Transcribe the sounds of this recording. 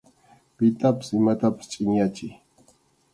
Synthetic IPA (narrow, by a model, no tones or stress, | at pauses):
pɪt̪apḁsɪmat̪apḁst͡ʃʼɪŋjat͡ʃɪj